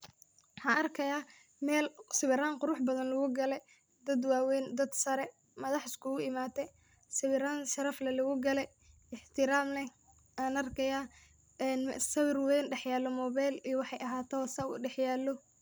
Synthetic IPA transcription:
ħɑʔɐrkʰɐjaː | mɛːlsɪβɪɾaːŋqʊɾʊħbɐðɐnlɐɣʊɡɐlɛ | d̪ɐd̪waːwɛnd̪ɐd̪sɐɾɛ | mɐðɑħɪskʰʊɣʊɪmaːt̪ʰɛ | sɪβɪɾaːnʃɐɾɐflɐlɐɣʊɡɐlɛ | ɪħt̪ʰɪɾaːmlɛ | aːnɐrkʰɐja | ɛnsɐβɪrwɛjnɖɛħjaːlːɔmɔːβajlijɔwɑħɑjɐɦaːt̪ʰɔwsɐṵːɖɛħjaːlːɔ

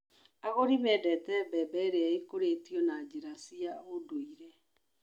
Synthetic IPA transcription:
aɣoɾimɛdɛtɛbɛbɛɾeaekoɾetiɔnad͡ʑeɾasiaodoiɾɛ

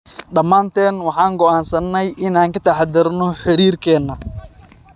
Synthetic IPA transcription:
ɖɐmːaːnt̪ʰɛːnwɑħɑːŋɡɔʔaːnsɐnːɛjʔɪnaːŋkʰɐt̪ʰaħɑd̪ɪrnɔħɪɾiːrkʰɛːnːɐ

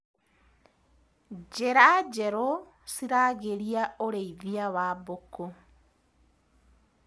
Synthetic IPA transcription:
d͡ʒeɾad͡ʒeɾo | siɾaːɣeɾiaoɾeiðiaβaːboko

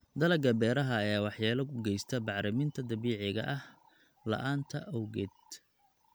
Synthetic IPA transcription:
d̪ɐlɐɡɐbɛːɾɐɦɐːjaːwɑħjaːlɐkʰʊɡɛjst̪ʰɐbɑʕɾɪmɪnt̪ʰɐd̪ɐβiːʕɪɣɐ̰ʔɐh | lɐ̰ʔaːnt̪ʰɐʔɔwɣɛd̪

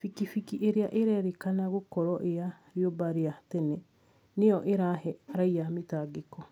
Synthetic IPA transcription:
fikifikiʔeɾeaʔeɾɛɾekanaɣokɔɾɔʔea | ɾjobaɾeatɛnɛ | neɔʔeɾahɛɾaiametaːɡekɔ

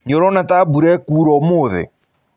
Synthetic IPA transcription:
ɲɔɾɔnatabuɾɛkuːɾɔmoːðɪ̰

